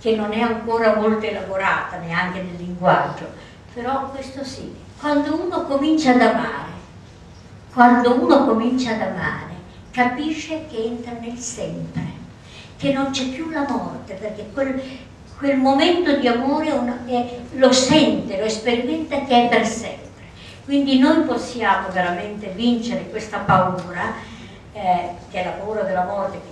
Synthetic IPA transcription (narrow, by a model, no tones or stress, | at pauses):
k̟enːonɛaŋkoːɾamolt̪eelavoɾaːt̪aneaŋk̟enelːiŋɡwa̰d͡ʒːo̰ | peɾɔkwest̪osi | kwand̪ouːnokomint͡ʃaːd̪ama̰ːɾe | kwand̪ouːnokomint͡ʃaːd̪ama̰ːɾe | kapiʃːek̟eɛnt̪ɾanelsɛmpɾe | k̟enːont͡ʃɛpːjulamɔrt̪eperk̟ekwel | kwelmoment̪od̪iamoːɾeɛunɛlosɛnt̪eloespeɾimɛnt̪ak̟eɛpːersɛmpɾe | kwind̪inojposːjaːmoveɾament̪evint͡ʃeɾekwest̪apauːɾa | ɛk̟eɛlːapauːɾad̪elːamɔrt̪ek